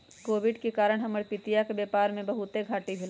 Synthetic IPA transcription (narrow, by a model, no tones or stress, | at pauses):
koːʋɪɖkekaːɾəɽ̃ɦɐməɽpɪt̪ijakebeːpaːɾmẽbɐɦʊt̪eɡʱaːʈibʱɪl